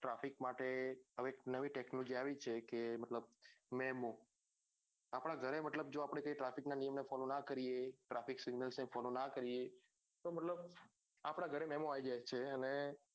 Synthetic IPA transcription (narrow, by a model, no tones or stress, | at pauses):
ʈɾafikmaʈeəʋeknəʋiʈeknlod͡ʒiaʋit͡ʃʰekeməʈləb̚mɛmo | apɽ̃aɡʱəɾeməʈləb̚d͡ʒoapɽ̃ekəiʈɾafiknanijəmnefɔlonakəɾieʈɾafiksɪɡnəlsnefɔlonakəɾie | t̪oməʈləb | apɽ̃aɡʱəɾemɛmoaid͡ʒajt͡ʃʰeəne